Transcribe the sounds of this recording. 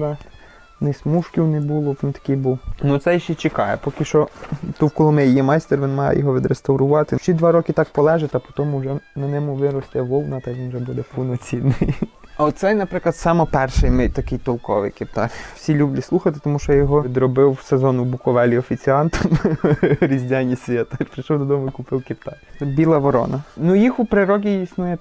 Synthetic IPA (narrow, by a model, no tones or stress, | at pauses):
d̪ɐ | nɪsʲmuʃkʲiwnebulˠɔʋʲint̪ɐ̥kʲijbuwnut̪sɛjʃt͡ʃʲːɛt͡ʃɪkɑjɛ̰pɔkɪʃt͡ʃɔt̪uwkɔlˠʊmɛjjɛmɑjst̪erʋʲinmɑjɛ̰jɔɦɔʋʲid̪ɾest̪ɐwɾʊʋɑt̪ɪʃt͡ʃid̪ʋɑɾɔkɪt̪ɑk̚pɔlˠɛʒɛt̪ɐpɔt̪ɔmʊwʒɛnɐnʲɛmʊʋɪɾɔst̪ʲɛʋɔlˠnɐt̪ɐʋʲinwʒɛbud̪ɛpunɔt͡sʲinːɪjɐɔt̪sɛjnɐpɾɪklˠɐd̪sɑmɔpɛrʃɪjmɛjʲt̪ɐkɪjt̪ɔlˠkɔʋɪ̰jkɪpt̪ɑkʲwsʲilʲublʲislˠuxɐt̪ɪ̥t̪ɔmuʃt͡ʃɔjɔɦɔid̪ɾɔbɪwsezɔnʊbʊkɔʋɛlʲiɔfʲit͡sʲiɑnt̪ɔm | ɾʲizʲdʲanʲːisʲʋʲjɛt̪ɐpɾɪʃɔwd̪ɔd̪ɔmʊikʊpɪwkɪpt̪ɑk̪ʲɛbʲilˠɐʋɔɾɔ̰nɐnujixʊpɾɪɾɔɡʲiisnujɛ